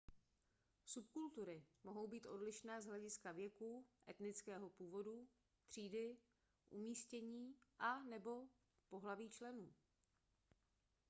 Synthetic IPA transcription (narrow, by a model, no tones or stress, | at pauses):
supkult̪uɾɪmo̞ɦo̞wbiːt̪ʔo̞dlɪʃnɛːzɦlɛɟɪskavjɛkuːʔɛt̪nɪt͡skɛːɦo̞puːvo̞du | t̪r̝̥iːdɪ | ʔumiːscɛɲiːʔanɛbo̞ | po̞ɦlaviːt͡ʃlɛnuː